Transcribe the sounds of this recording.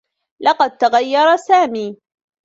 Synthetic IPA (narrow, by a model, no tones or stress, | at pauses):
lɑqɑd̪̚t̪aɣajːɑɾˤɑsaːmiː